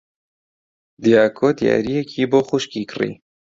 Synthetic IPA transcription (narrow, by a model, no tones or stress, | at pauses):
d̪ijaːkʰoːd̪ija̰ːɾijɛkʰiːboːxʊʃkiːkɨrḭː